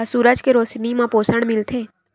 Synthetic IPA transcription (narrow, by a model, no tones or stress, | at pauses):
suːɾəd͡ʒkeɾoːsnimãpoːsəɽ̃mɪlt̪ʰeː